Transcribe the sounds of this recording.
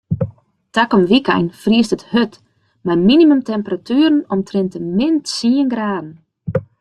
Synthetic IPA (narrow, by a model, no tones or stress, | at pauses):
takɔmʋikɛ̰jnfriəstəthøt | majminimømtɛmpəratʰyːəɾənɔmtʰrɪntəmɪntsiːənɡraːdn̩